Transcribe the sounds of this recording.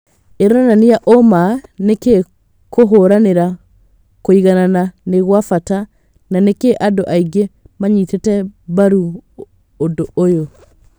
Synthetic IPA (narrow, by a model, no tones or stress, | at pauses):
eɾoɾananijaʔomaneke | koɦoɾaneɾa | koiɣanananeɣwafata | nanekeʔadoʔaiɡe | maɲitetɛβaɾuː | ndoojo